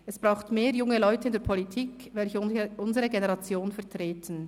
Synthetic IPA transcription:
ɛsb̥ʁaʊxtmeːɐjʊŋəlɔʏtəɪndeːɐpʰolitʰiːk | vɛlçəʔʊnzəʁəɡenɛʁɑt͡sjoːnfɛɐtʁ̥eːtʰən̩

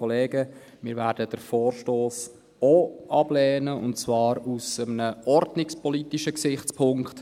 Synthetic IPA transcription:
ɔleːɡə | mɪːɾvæːɾd̥əd̥əɾfoːrʃtoːs | oʔɑb̥lɛːnəʊ̰ntt͡svɑːɾusəmənəɔrdnɪkspɔliːtiʃəksɪχt͡spʰʊŋkt

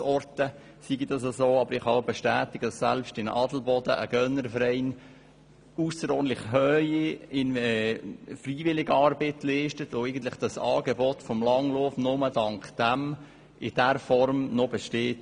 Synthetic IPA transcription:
ɔrtə | siɡidɑs̬ɑsoːɑbəɾɪχhɑbɛʃtæːt̪ɪɡ̥əd̥ɑsːæ̰lpʃtɪnɑdl̩bɔd̥əʔəɡ̥œnəɾfəɾɛɪn | usəɾɔɾntlɪχhœiɪnɛfriːʋɪlɪɡəɑɾbɪtliɪʃtətoɛɪɡən̩t̪lɪχd̥ɑsɑ̰ːɡɛbɔtfɔmlɑŋlofnʊmədɑŋkd̥æm | ʔɪd̥ɛɾfɔɾmnɔbɛʃteːt

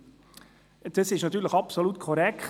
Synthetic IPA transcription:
d̥əsɪʃnɑt̪ːyːɾləxɑpsolut̪kʰɔɾɛk

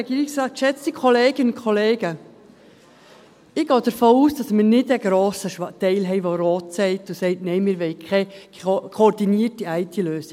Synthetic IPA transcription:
ɛɡiːɾɪksrɑːt̚kʃɛt͡stikʰoleːɡ̥ənʊnkʰoleːɡ̥ə | ɪɡ̥ɑːd̥əɾfoːuːsd̥ɑsmɪɾnɪdɛɡɾoːsəʃtɛɪlɦɛɪʋoɾoːtsɛɪtʊsɛɪtnɛɪmɪɾʋɛɪkʰɛkʰoɾdiniətiɛɪtʰiløːsɪ̥

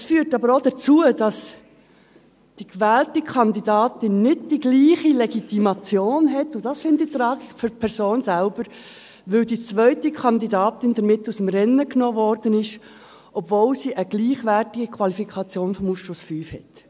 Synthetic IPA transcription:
ɛsfyːɾtɑbəɾod̥ət͡suəd̥ɑs | d̥ikʋæːltikʰɑnd̪idɑːtɪnːɪd̚d̥iɡliːχilɛɡitimɑt͡sjoːnɦɛtːʊd̥ɑsfɪndit̪ɾɑːɡifʏɾpʰɛɾsoːnsælb̥əɾ | ʋɵldit͡sʋœʏtikʰɑnd̪idɑːtɪnd̥əɾmɪtːusəmɾɛnːəknoːvɔɾd̥ənɪʃ | ʔɔbvolsiʔəɡ̥liːχʋætɪɡ̥ikʰvwɑlifikʰɑt͡sjoːnfɔmusʃosfyːfhɛt

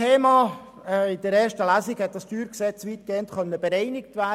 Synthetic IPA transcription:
eːmɑː | ɪd̥əɾɛːɾʃtəlæsɪɡhɛt̪̚d̥ɑstyːɾksɛt͡sʋiːtkeːənt̪χœnːəbəɾɛɪnɪk̚tvæː

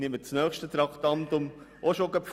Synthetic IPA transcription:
nimət͡snœːχʃtət̪ɾɑkʰtɑntʊm | ʔoʃoɡəpf

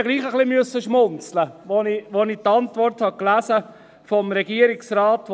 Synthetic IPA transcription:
ɡliːχəχlimʏsːəʃmʊnt͡sləʋoniʋonitɑntʋɔrthɑklæsə | fɔmɾɛɡiəɾɪksraːt

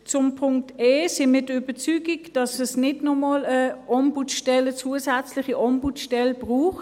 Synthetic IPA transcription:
t͡sʊmpʰʊŋkteːsɪnmɪːɐdəyb̥ət͡syːɡiɡd̥ɑsɛsnɪdnɔmoːləɔmbutʃtɛlət͡suːəsæt͡slɪχiʔɔmbutʃtɛlb̥ʁuːχt

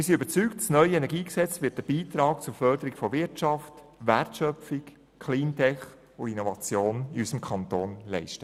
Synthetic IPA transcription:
mɪɾsiøbəɾt͡syktt͡snœʏəɛnɛɡiːksɛt͡sʋɪːt̚dəb̥iːt̪ɾɑːkt͡sʊɾfœɾdəɾiɡfɔʋɪɾtʃɑft | ʋærtʃœfɪk | kʰliːntʰɛχ | ʊinɔvɑt͡sjoːniysəmkʰχɑntoːnlɛɪʃtə

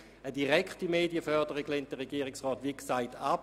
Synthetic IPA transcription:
ədiʁɛkχtimeːdiəfœʁdəʁikleːnt̚dəʁeɡiːəʁɪksʁɔːtʋiksaɪtap

